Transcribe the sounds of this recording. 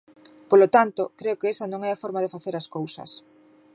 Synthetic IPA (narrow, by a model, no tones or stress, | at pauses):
polot̪ant̪okɾeokɪɛsɐnõŋɛafɔɾmaðɪfaθeɾaskowsɐ̰s